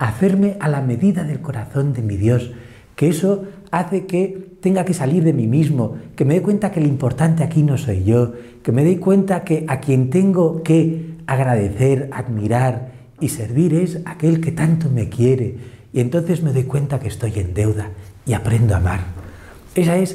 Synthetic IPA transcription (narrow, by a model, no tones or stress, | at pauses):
aθe̞ɾme̞ʔalame̞ðiðaðe̞lko̞ɾaθo̞nd̪e̞miðjo̞s | keeso | aθe̞ket̪e̞ŋɡake̞saliɾðe̞mimizmo̞ke̞me̞ðekwent̪ake̞limpo̞ɾt̪ant̪eakino̞so̞jʝo̞ | ke̞me̞ð̞o̞jkwe̞nt̪ake̞ʔakje̞nt̪e̞ŋɡo̞ke̞aɣɾað̞e̞θe̞ɾaðmiɾaɾ | ise̞ɾβ̞iɾe̞sake̞lke̞t̪ant̪ome̞kje̞ɾe̞ | ie̞nt̪o̞nθe̞zme̞ðo̞jkwe̞nt̪akest̪o̞je̞nd̪e̞wðaiapɾe̞nd̪oa̰ma̰ɾ | e̞sae̞s